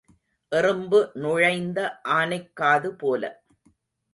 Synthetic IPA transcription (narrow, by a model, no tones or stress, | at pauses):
ʔɪrɯmbɯnʊɻɐɪnd̪ɐʔaːnɐɪkːaːðɯpoːlɐ̰